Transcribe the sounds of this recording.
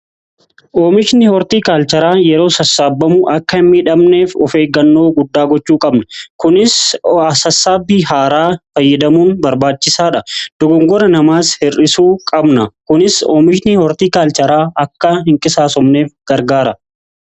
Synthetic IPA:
ʔoːmɪʃnɪhɔɾt̪iːkaːlt͡ʃɐɾaːjɛɾo̞ːsɐsːaːbːɐmʊʔɐkːɐɪmːiːᶑɐmne̞ːfɔfe̞ːɡɐnːo̞ːɡʊd̪ːaːɡɔt͡ʃːuːkʼɐbnɐkʊnɪsɐsɐsːaːbːiːɦaːɾaːfɐjːɐd̪ɐmuːnbɐɾbaːt͡ʃːɪsaːᶑɐd̪̥ɔɡɔŋɡɔɾɐnɐmaːshɪrɪsuːkʼɐbnɐkʊnɪso̰ːmɪʃnɪhɔɾt̪iːkaːlt͡ʃɐɾaːʔɐkːɐɦɪŋkʼɪsaːsɔmne̞ːfɡ̥ɐɾɡaːɾɐ

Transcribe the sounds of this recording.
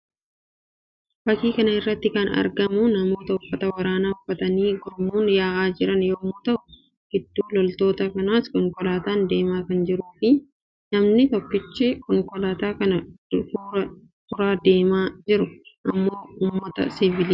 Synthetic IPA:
bɐkiːkɐnɐɪrːɐt̪ːɪkɐnɐ̰ɾɡɐmʊnɐmo̞ːt̪ɐʊfːɐt̪ɐwɐɾaːnaːʊfːɐt̪ɐniːɡɔɾmuːnjaːʔaːd͡ʒɪɾɐnjoːmoːt̪ɐʔʊ | ɡ̥ɪd̪ːuːlɔlt̪o̞ːt̪ɐkɐnaːskɔŋkɔlaːt̪aːnd̪e̞ːmaːkɐnd͡ʒɪɾuːfɪ | nɐmnɪt̪ɔkːɪt͡ʃːɪkɔŋkɔlaːt̪aːkɐnɐ̥fɐ | fʊɾaːd̪e̞ːmaːd͡ʒɪɾʊʔɐmːoːuːmmːɐt̪ɐ̰sɪvɪliː

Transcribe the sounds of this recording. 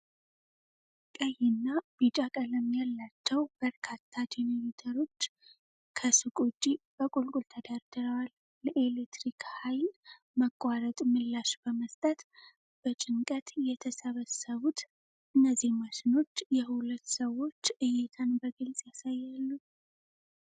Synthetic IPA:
kʼəjɪnːab̥it͡ʃʼakʼələmjalːat͡ʃːɛwbəɾkʰat̪ʰːad͡ʒenomit̪ʰəɾo̞t͡ʃː | kʰəsɨkʼut͡ʃʼːib̥əkʼulkʼult̪ʰəd̪aɾd̪əɾəwal | ləʔelekt̪ɾikhajl | məkʼːaɾət̪ʼmɨlːaʃb̥əməst̪ʼət̪ | b̥ət͡ʃʼɪŋkʼət̪jɛt̪ʰəsəβəsəβut̪ | ʔɨnːəzːihməʃɪno̞t͡ʃːjɛhulət̪ːsəwːo̞t͡ʃːɨjɛt̪ʰanbəɡɨlsʼjasajːalːu

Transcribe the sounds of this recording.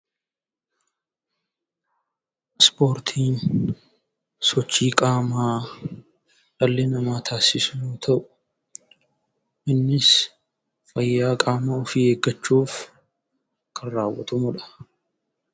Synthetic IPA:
spo̞ːɾt̪ʰiːn | sɔt͡ʃːiːkʼaːmaː | ᶑɐlːɛnɐmaːt̪ʰaːsɪsʊnuːt̪ʰɐʔʊ̥ | ʔɪnːɪs | fɐjːaːkʼaːmaʊfiheɡːɐt͡ʃːuːf | kʰɐrːaːwːɐ̰t̪ʊmʊᶑɐ̥

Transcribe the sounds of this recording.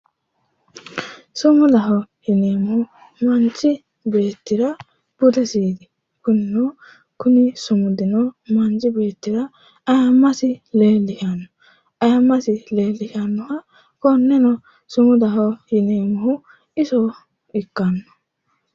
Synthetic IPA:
sʊmʊd̪ɐɦɔhɪneːmʊhʊ | mɐnt͡ʃːɪ | be̞ːt̪ːɪɾɐ | b̥ʊd̪ɛsiːd̪ɪ | kʊnɪnɔ | kʊnɪsʊmʊd̪ɪnɔmɐnt͡ʃʼɪbe̞ːt̪ːɪɾɐ | ɐjamːɐsɪle̞ːlːɪhanːɔ | ɐjamːɐsɪle̞ːlːɪhanːɔhɐ | kɔnːɛnɔ | sʊmʊd̪ɐɦɔhɪneːmʊhʊ | ɪsɔ | ɪkːɐnːɔ̥

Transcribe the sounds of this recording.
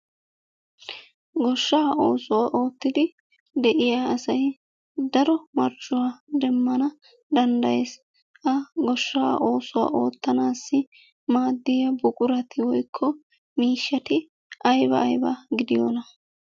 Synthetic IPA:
ɡɔʃːaːʔo̞ːsʊwaːʔo̞ːt̪ːɪd̪ɪ | d̪ɛʔɪjaːɐsɐj | d̪ɐɾɔmɐɾd͡ʒʊwaːd̪ɛmːɐnɐ | d̪ɐnd̪ɐjeːs | ʔɐɡɔʃːa̰ːʔo̞ːsʊwa̰ːʔo̞ːt̪ːɐnaːsːɪ | maːd̪ːɪjɐbʊkʼʊɾɐt̪ʰɪwɔjkʰːɔ | miːʃːɐt̪ɪ | ʔɐjbɐ̰ːjbɐ̰ɡɪd̪ɪjɔ̰ːnɐ

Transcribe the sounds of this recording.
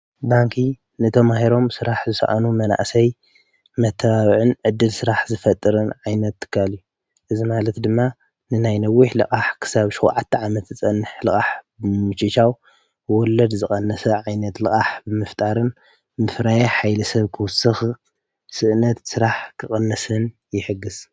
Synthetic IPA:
baŋkʰi | nɨt̪ʰɐmahiɾo̞msɨɾaħzɨsɐ̰ʔa̰numɐna̰ʔsɐj | mɐt̪ʰːɐβaβʕɨnʕɨd̪ːɨlsɨɾaħzɨfɐt̪ʼːɨɾɨnʕajnɐt̪ʰːɨ̥kʰːaliju | ʔɨzimalɐt̪d̪ɨmːa | nɨnajnɐwːiħlɨ̰kʼaħkʰɨ̥saβʃowʕat̪ʰːɐʕamɐt̪zɨt͡sʼɐnːɨħlɨkʼaħbmɨt͡ʃit͡ʃaw | wɔlɐd̪zɨχʼɐnːɐsɐʕajnɐt̪lɨkʼaħbɨmɨft̪ʼaɾɨn | mɨfɾajaħajlɐsɐβkʰɨwʊsɨx | sɨʔnɐt̪sɨɾaħkʰɨχʼɐnːɐsɨn | jɪħɨɡːɨz

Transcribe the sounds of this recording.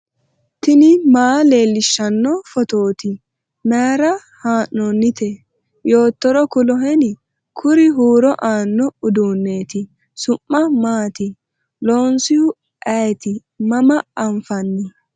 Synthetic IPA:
t̪ɪnɪmaːle̞ːlːɪʃːɐnːɔfɔt̪oːt̪ɪ | maːɾɐ | haːnːɔnːɪt̪ʰɛ | jo̞ːt̪ːɔɾɔkʊlɔɦɛnɪ | kʰʊɾɪɦuːɾɔʔaːnːɔʊd̪uːnːeːt̪ɪ | sʊmːɐmaːt̪ɪ | loːnsɪjʊ | ɐjt̪ɪ | mɐmɐɐɱfɐnːɪ

